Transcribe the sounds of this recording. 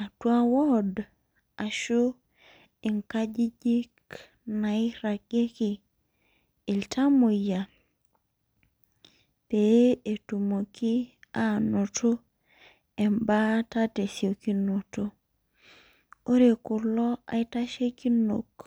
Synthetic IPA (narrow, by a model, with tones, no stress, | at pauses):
a˨twa˦wo˦d | a˨ʃo˦ | i˨ŋka˦d͡ʒi˦d͡ʒi˦k | na˨i˦ɾa˨ke˦ki˨ | i˨ltʰa˦mo˨ja˨ | pe˨˦e˨tu˨mo˨ki˦a˨˦no˨to˦ | e˨mba˦ta˦te˨sjo˨ki˦no˨to˦ | o˦ɾe˨ku˨lɔ˦a̰˨i˦ta˦ʃe˦ki˦no˨k